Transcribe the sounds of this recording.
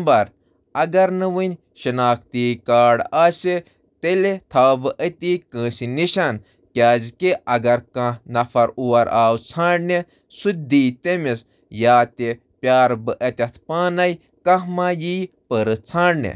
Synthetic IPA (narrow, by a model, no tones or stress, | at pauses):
mbɐɾ | ɐɡɐɾnɨʋɨnʲ | ʃɨnaːkt̪iːkaːɖaːse | t̪elet̪ʰaːbɨʔət̪ikə̃ːsiniʃan | kʲaːzkiʔɐɡɐɾkãnɐfɐɾuwɐɾaːwt͡sʰãːɖne | sud̪iːt̪emis | jaːt̪e | pʲjaːɾbɨʔɐt̪ʲɐt̪ʰpaːnɐj | kɐ̃hmãːjiːpəɾɨt͡sʰãːɖnḛ